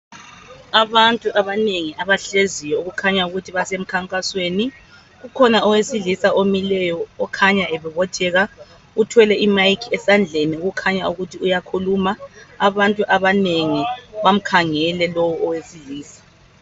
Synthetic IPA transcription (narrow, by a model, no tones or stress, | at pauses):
aβantʼuʔaβaneŋiaβaɬezijɔuɣukʰaɲauɣutʰiβasem̩kʰaŋkʼasweːni | ɣukʰɔnaɔwesiɮisaʔomilɛjɔːkʰaɲaʔɛβɛβɔtʰɛɣa | utʰwɛlɛʔimajkʰɛsand͡ɮʱeniuɣukʰaɲauɣutʰiujakʰulumaaβantʼuʔaβaneŋiβam̩kʰaŋɛlɛlowuɔwesiɮiːsḁ